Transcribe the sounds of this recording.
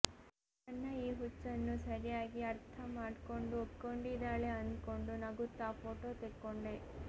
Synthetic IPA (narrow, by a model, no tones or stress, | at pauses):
ɐnːɐiːɦut͡ʃːɐnːusɐɾijaːɡiɐɾt̪ʰɐmaːɖkoɳɖuopkoɳɖid̪aːɭeɐnd̪koɳɖunɐɡut̪ːaːpʰoːʈoːt̪ekːoɳɖe